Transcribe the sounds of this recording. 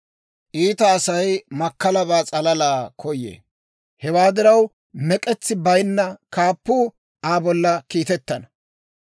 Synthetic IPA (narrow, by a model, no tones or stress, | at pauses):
ʔiːt̪ɐːsɐjmɐkːɐlɐβaːt͡sʼɐlɐlaːkʰɔjːḛː | hɛwaːd̪ɪɾɐw | mɛkʼɛt͡sːɪbɐjnːɐkaːpːuː | ʔaːbɔlːɐkiːt̪ɛt̪ːɐnɐ